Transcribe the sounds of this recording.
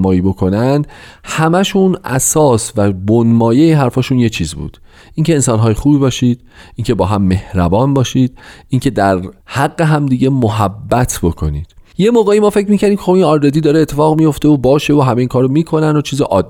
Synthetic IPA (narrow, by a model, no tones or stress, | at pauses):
mɒːjiːbo̞kʰo̞nænd̪hæmæʃuːnʔæ̰sɒːsvæbonmɒːjejeɦæɾfɒːʃuːnjet͡ʃʰiːzbṵːd̪̥ | ʔiːŋcʰe̞ːnsɒːnɦɒːjexuːbiːbɒːʃiːd̪̥ʔiːŋcʰebɒːɦæmːe̞hɾæbɒːnbɒːʃiːd̪̥ʔiŋkcʰe̞d̪æɾhæɣːe̞ɦæmd̪iːɟe̞moɦæbːæt̪ʰbo̞kʰo̞̰niːd̪̥je̞moːɣeimɒːfe̞cʰɾmiːcʰæɾd̪imkʰexoinɒɾɾed̪iːd̪ɒːɾeet̪ʰːefɒːɣmijo̞ft̪e̞obɒːʃe̞voɦæmeiːŋkʰɒːɾomiːkʰo̞nænd̪ot͡ʃʰiːzeʔɒːd̪ː